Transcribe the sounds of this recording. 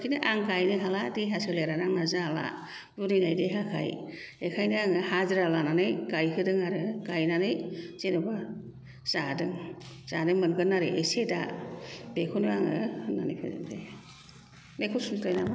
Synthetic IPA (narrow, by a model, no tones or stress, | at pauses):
kʰinɯʔaŋɡajnɯɦaladejɦasɯleɾanaŋnazaala̰ | buɾinajdeɦakʰa̰j | ekʰajnɯaŋɯhazɯɾalananɯjɡ̥ajkʰɯdɯŋaɾɯɡ̥ajnanɯjz̥enɔba | z̥adɯŋ | z̥adɯŋmɯnɡɯnːaɾɯʔeseda̰bekʰonuaŋɯ̰ɯnanɯjpʰa̰zɯ̰ndej | mekʰusuntajnama